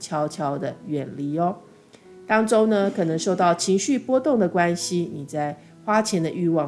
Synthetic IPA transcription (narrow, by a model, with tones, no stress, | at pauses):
t͡ɕʰjɑ˧˥ʊt͡ɕʰjɑ˥ʊd̪ə˨ɥɛ˨˩nli˧˥ɔ˦ | t̪ɑ˥ŋʈ͡ʂo˥ʊnə˧kʰɤ˨˩nɤ˧˥ŋʂo˥˧ʊt̪ɑ˥˩ʊt͡ɕʰi˧˥ŋɕy˥˨pwɔ˥t̪ʊ˥˩ŋd̪ə˩kwa˦nɕi˨˦ni˨˩t͡sa˥˩ɪ | xwa˥t͡ɕʰjɛ˧˥nd̪ə˧ʔy˥˧wɑ˥˩